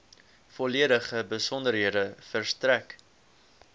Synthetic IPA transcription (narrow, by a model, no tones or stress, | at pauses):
fɔliəɾəχəbəsɔndəɾɦiədəfərstræk